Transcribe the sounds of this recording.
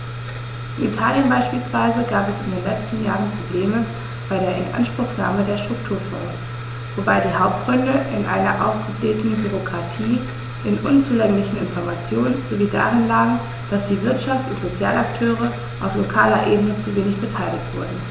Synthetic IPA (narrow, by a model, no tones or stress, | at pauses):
ʔʔɪnḭtʰaːljənbaɪʃpiːlsv̥aɪzəɡaːpɛsɪndeːnlɛt͡stn̩ja̰ːʁənpʁ̥obleːmə | b̥aɪɾeːɐɪnʔa̰nʃpʁ̥ʊxna̰ːmədeːɐʃtʁ̥ʊk̚tʰuːɐfɔ̰ːs | v̥obaɪdiːɦaʊp̚t̚ɡ̥ʁʏndəʔɪnʔa̰ɪnɐ̰ʔa̰ʊfɡ̥əbleːtn̩byʁokʁ̥atʰiː | ʔɪnʔʊnt͡suːlɛŋlɪçn̩ɪ̰nfɔɐmat͡sjoːnzoviːda̰ːʁɪnlaːɡŋ̩ | d̥asd̥iːvɪɐtʃaftʊntz̥ot͡sjaːlaktʰøːʁ̞ə | ʔaʊflokʰaːlɐ̰ʔeːbənət͡suveːnɪçb̥ətʰaɪlɪçtv̥ʊɐdn̩